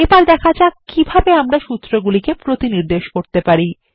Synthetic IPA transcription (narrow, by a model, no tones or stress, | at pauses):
epaɾd̪ɛkʰad͡ʑakibʱabeamɾaʃut̪ːɾoɡulikepɾot̪iniɾd̪eʃkoɾt̪epaɾi